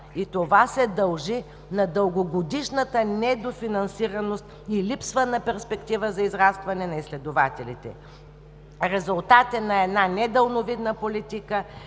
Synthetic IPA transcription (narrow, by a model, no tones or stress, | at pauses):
it̪ovasɛd̪ɐlˠʒi | nɐd̪əlˠɡoɡod̪iʃnət̪ənɛd̪ofinɐnsiɾɐnost̪ | ilipsvənɐpɛɾspɛkt̪ivəzɐizɾast̪vɐnɛnɐislɛd̪ovat̪ɛlḭt̪ɛ̰ | ɾɛzʊlˠt̪at̪ɛnːɐɛd̪nanɛd̪əlˠnovid̪nəpolit̪ikə